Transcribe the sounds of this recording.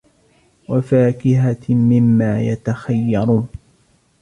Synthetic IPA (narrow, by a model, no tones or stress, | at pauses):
wafaːkɪɦamɪmːaːjat̪axajːɑɾˤuːn